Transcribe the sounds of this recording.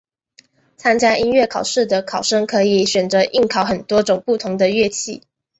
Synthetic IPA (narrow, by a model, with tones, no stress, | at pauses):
t͡sʰa˥nt͡ɕja˥ʔi˥nɥɛ˥˩kʰɑ˨˩ʊʂɻ̩˥˩d̪ə˩kʰɑ˨˩ʊʂə˥ŋkʰɤ˧˥i˨˩˦ɕɥɛ˨˩nt͡sɤ˧˦ʔi˥˩ŋkʰɑ˨˥ʊxə˨˩nt̪wɔ˥ʈ͡ʂʊ˨˩ŋpu˥˩t̪ʰʊ˧˥ŋd̪ə˧ɥɛ˥˧t͡ɕʰḭ˥˩